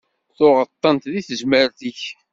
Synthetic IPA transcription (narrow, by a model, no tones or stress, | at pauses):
θʊʁət̪ˤːənt̪ðiθəʒməɾθiç